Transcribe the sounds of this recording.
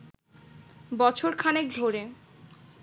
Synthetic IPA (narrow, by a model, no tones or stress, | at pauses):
bɔt͡ɕʰoɾkʰanekd̪ʱoɾe